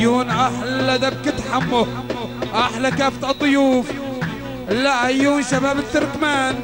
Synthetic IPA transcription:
uːnʔaħlːad̪ab̚kɪt̪ħamːʊ | ʔaħlakaːft̪ɑt̪ˤːʊjuːf | lːaʔajːuːnʃabaːbɪt̪ːʊɾkmaːn

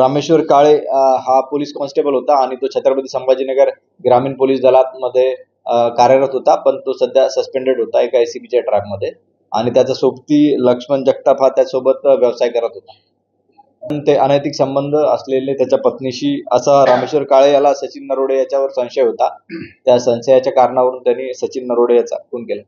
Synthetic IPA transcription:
ɾameɕʋəɾkaɭeɦapoliːskɔnsʈebəlɦot̪aːɽ̃it̪ot͡ɕʰet̪ɾəbəd̪isəmbad͡ʑiːnəɡəɾ | ɡɾamiːnpoliːsd̪əlat̪̚məd̪ʱːje | kaɾjəɾət̪ɦot̪apəɳt̪osəd̪ʱjasəspeɳɖeɽɦot̪aekːjsibid͡ʑajʈɾɛkməd̪ʱːje | a̰ɽ̃it̪jat͡sasobt̪iːləkʂəmənd͡ʑək̚t̪apʰat̪ːjasobət̪ʋjəʋsajkəɾət̪ɦot̪ḁ | pəɳt̪eʔanəjt̪iksəmbənd̪ʱəəslelet̪jat͡ɕjapət̪niɕiːə̰saɾameɕʋəɾkaɭejalasət͡ɕiːnːəɾoɽejat͡ɕjaʋəɾsə̃w̃ɕəjɦot̪at̪jasə̃w̃səjat͡ɕjakaɾɳaʋəɾuːnt̪janːiːsət͡ɕiːnːəɾoɽejat͡sa̰koɳkela

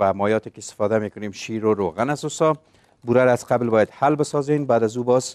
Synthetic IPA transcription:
amɔjɒt̪ekɪst̪ɪ̥fɔd̪amekʊnemʃiɾoɾoɣanazusɒ | buɾaɾaaz̥qablbɔjad̪halbɪsɔzenbaːd̪azubɔz

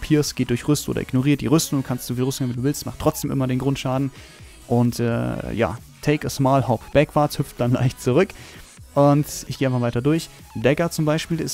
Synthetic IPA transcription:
pʰiːɐsɡ̥eːt̚d̥ʊɐçʁʏstʔo̰ːdɐ̰ʔɪ̰ɡnoʁiːɐt̚d̥iːʁʏstʊŋʊnkʰanstd̥z̥uːfiːlʁʏstʊŋhɪːmviːduːvɪlstmaχtʰːʁ̥ɔt͡sd̥eːmʔɪ̰mɐdeːnɡʁʊntʃaːdn̩ | ʔʊntɛ̰ːja̰ː | tʰɛɪkəsmaːlhɔpb̥ɛkv̥athʏpp͡ft̚d̥anla̰ɪçtt͡suʁʏk | ʔʊntʔɪçɡ̥eːʔaɪnfavaɪtɐdʊɐç | dɛkɐt͡sʊmbaɪʃpiːlɪs

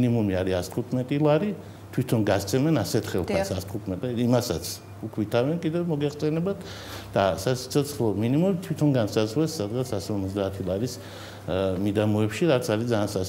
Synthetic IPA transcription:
nimumiaɾiast̪ʰχut̪ʰmɛt̪ʼilˠaɾi | t̪ʰwit̪ʰɔnɡast̪sʰɛmɛnasɛt̪ʰχɛlˠk̪ʰasast̪ʰχut̪ʰmɛt̪ʼɛimasat̪sʰ | ukʰwit̪ʰavɛnkʼid̪ɛvmɔɡɛχsʼɛnɛbat̪ʰ | d̪̥asasi̥t̪sʰɔt̪sʰlɔminimumit̪ʰwit̪ʰɔnɡansazʁlɛsːad̪ɡat̪sʰasɔɾmɔt̪zd̪aːt̪ʰilˠaɾis | mid̪amɔɛpʃiɾat̪sʰaɾid̪zaːnsa

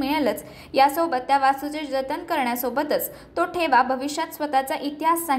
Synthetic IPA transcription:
miɭələt͡s | jasobət̪ːjaʋasut͡sed͡zət̪ənkəɾɳjasobət̪ət͡s | t̪oʈʰeʋabʱəʋiɕjat̪sʋət̪at͡saʔit̪iɦasa

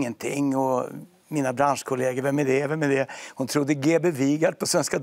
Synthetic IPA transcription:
ŋːənt̪ʰɪ̰ŋːɔ | miːnabɾanʂkʰʊleːɡəɾvɛmːɛd̪ɛvɛmɛd̪ɛhʊnt̪ʰɾʊd̪ːəɡeːbeviːɡad̪pʰɔsvɛnskad̪

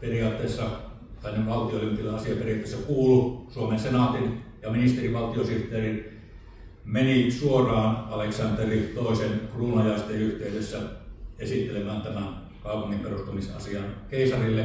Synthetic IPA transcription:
periɑːt̪ːˑeˑːsːɑ | t̪ænːeʋʋɑlt̪iolymt̪ːilːeʔɑsiɑperiɑt̪ːˑesːækuːlusuomensenɑt̪injɑminist̪eriʋɑlt̪iosiht̪ˑeːrin | menisuorˑɑːnɑleksɑnt̪erit̪oˑesenkruːnɑjɑˑst̪ˑeyht̪eˑydesːæesit̪ːelemæːnt̪æmæn | kɑˑupuŋːimperust̪umisɑ̰siɑnkeˑisɑrilːe

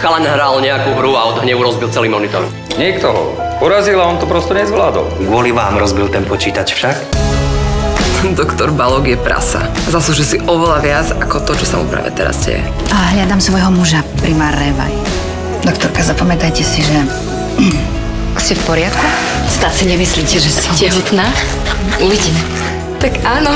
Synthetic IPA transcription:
xalanɦɾalɲɛakuːɦɾuaɔd̪ɔɦɲɛʋuɾɔzbilt͡sɛliːmɔnit̪ɔɾ | ɲɛkt̪ɔɦɔ̰ | pɔɾazilaɔnt̪ɔpɾɔst̪ɔɲɛzʋlaːd̪ɔ̰lɡʊɔliʋaːmɾɔzbilˠt̪ɛnpɔt͡ʃiːt̪at͡ʃfʃak | nd̪ɔkt̪ɔɾbalɔɡjɛpɾa̰sa̰ | zasuʒɛsiʔɔʋɛlaʋɪad͡zakɔt̪ɔt͡ʃɔsamṵpɾa̰ːʋɛ̰t̪ɛɾa̰zɟɛ̰jɛ̰ | aɦʎad̪amsʋɔjɦɔmuʒapɾimaːɾnɛʋa̰j | d̪ɔkt̪ɔɾkazapɔmɛt̪ajcɛsiʒɛ | kscɛfpɔɾɪat̪ku | st̪aːtsiɲɛmisliːcɛʒɛsɔɛɦut̪naː | uʋiɟimɛ | t̪akaːnɔ

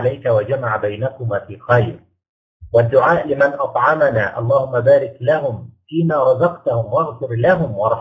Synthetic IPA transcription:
lajkawad͡ʒamaʕbajnakʊmaːfiːxajɾ | wad̪ːʊʕaːʔlɪmanʔɑt̪ˤʕɑmanaːʔɑ̰lˤːɑːhʊmːabaːɾɪklaɦʊmfiːnaːɾˤɑzɑqt̪ahʊmwaɣfʊɾlaɦʊmwɑɾˤħ

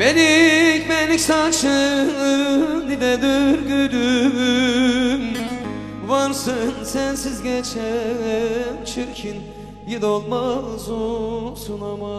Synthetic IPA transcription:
b̥enikbɛnliksat͡ʃɯ | nid̪ɛd̪yɾɡød̪y | m | vaɾsɯnsænsizɟɛt͡ʃʰɛ | nt͡ʃʰyɾcʰin | jid̪olˠmazusunama

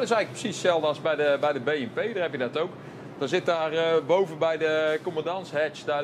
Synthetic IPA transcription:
tɪsɛjɣləprə̥sissɛlˠdəɑlˠzbɛjdəbɛjdəbejɛmpejdərhɛpjədɛtowk | d̥ɔnzɪt̚daːrbowvənbɛjdəkomədɑnshɛt͡ʃdaː

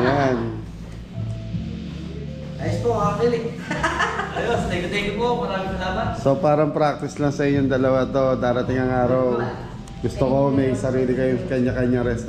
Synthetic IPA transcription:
jan | ʔɐjspoaːkɪlɪ | ʔɐjost̪ɛɡɐt̪ekɪpopɐɾaːmɪsɐlaːmɐso̞paːɾɐŋpɾak̚t̪ɪslaŋsɐʔɪɲːoŋd̪ɐlɐwat̪od̪aːɾɐt̪ɪŋɐŋaːɾɐw | ɡʊst̪okomɐjsɐɾiːlɪkɐjʊŋkɐɲakɐɲːaŋɾɛst̪

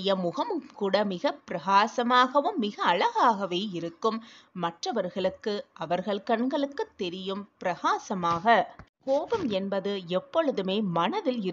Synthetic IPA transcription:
jɐmʊɣɐmkuːɽɐmɪɣɐpɪɾɐɣaːsɐmaːɣɐʋɯmːɪɣɐːɭɐɣaːɣɐʋeːɪɾɯkːɯmːɐʈrɐʋɐɾɣɐɭɯkːɯʔɐʋɐɾɣɐɭkɐɳɡɐɭɯkːɯt̪ːɛɾɪjɯmpɪɾɐɣaːsɐmaːɣɐkoːbɯmɛnbɐðɯɛpːɔɭɯðɯmeːmɐnɐðɪlɪ

